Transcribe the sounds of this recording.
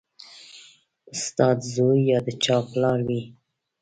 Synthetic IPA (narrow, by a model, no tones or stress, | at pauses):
ʊst̪ɑd̪zojːɑd̪ət͡ʃɑwplɑɾwi